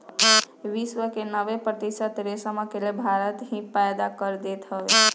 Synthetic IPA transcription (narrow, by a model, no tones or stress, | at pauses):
ʋiswəkenəʋepɾət̪isət̪ɾesəməkelebʱaɾət̪ɦĩpajd̪akəɾd̪et̪ɦəʋe